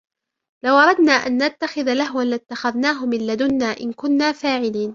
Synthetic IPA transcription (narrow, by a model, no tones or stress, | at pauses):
lawʔɑɾˤɑd̪naːʔanːat̪ːaxɪðalaɦwanlɪt̪ːaxaðnaːɦʊmɪlːad̪ʊnːaːʔɪnkʊnːaːfaːʕɪliːn